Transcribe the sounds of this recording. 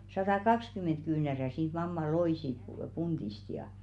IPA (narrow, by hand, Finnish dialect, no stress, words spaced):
sɑtɑˑkɑkskymːen̞t kyːnæræ siːt mɑmːɑ loiˑ siːt pu pund̥ist jɑ